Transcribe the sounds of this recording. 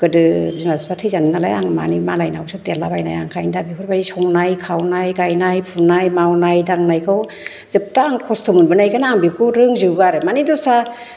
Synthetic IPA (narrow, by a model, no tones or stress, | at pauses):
kɯdɯzinazpatʰɯjzanɯnala̰jaŋma̰nimalajnawsʰadelabajna̰ja̰ŋkʰajndabihɔɾbaɾisɔŋnajkʰawnajɡajnajpʰunajmawnajdaŋnajkʰɯw | z̥ɯp̚taːŋkʰɔstʰɔmunbɯnajkanaːŋbip̚kʰɯɾɯŋzɯwɡaɾɯmanidɔsa